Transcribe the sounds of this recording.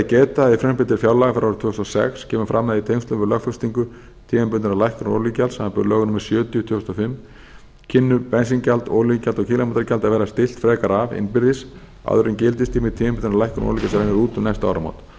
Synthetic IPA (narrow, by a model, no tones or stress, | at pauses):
cɛːt̪aifɾɛmpɪnt̪ɪɾ̥fjawlaɣafɛɾawɾt̪ʰʏːhst̪ɔsɛ̰xscʰɛːmʏfɾamːɛðait̪ʰejŋst̪lʏmvɪɾlœxfœst̪iŋkʏ | t̪ʰiːɣampʏnt̪ɪnalajhkɾno̰ɾlicalsamapʏɾlœːɣʏnʏmɪɾ̥sjœːt̪jʏt̪ʰʏːʏ̥st̪ɔfɪmː | cʰɪnːʏpɛnsiŋcalt̪olicalt̪ɔɣkcʰiːlamant̪ɾaɾcalt̪aðvɛːɾast̪ɪl̥t̪fɾɛːkaɾavɪ̰npɪɾðɪs | a̰ðʏɾɪncɪlt̪̬ɪst̪ʰiːmɪt̪ʰiːmɛmpʏnɪnalajhkɾṵnɔ̰licalsɾejnɪɾuːt̪ʏmnɛjst̪a̰ːwɾama̰wt̪